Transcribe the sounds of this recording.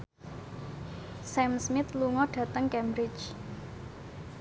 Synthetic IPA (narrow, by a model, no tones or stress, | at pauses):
sɛmsmɪt̪luŋɔɖ̥ä̤t̪əŋkɛmbɾɪt͡ʃ